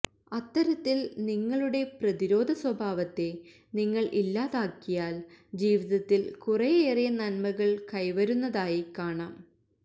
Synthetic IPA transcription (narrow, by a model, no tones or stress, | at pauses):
ɐt̪ːɐɾɐt̪ːilniŋːɐɭuɽe̞prɐðiɾo̞ːd̪ʱɐswɐbʱaːʋɐt̪ːe̞ | niŋːɐɭʔilːaːðaːkːijaːld͡ʑiːʋiðɐt̪ːilkurɐjeːrijɐnɐnmɐɣɐɭkɐjʋɐɾunːɐðaːjikaːɳaːm